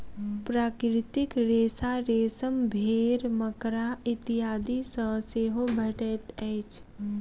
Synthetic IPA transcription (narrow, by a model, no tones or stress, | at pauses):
pɾaːkɾɪt̪ɪkɾeːsaɾeːsəmbʱeːɾməkɾaɪt̪ɪɦaːd̪isəseːɦobʱɐʈet̪ɛɪt͡ʃ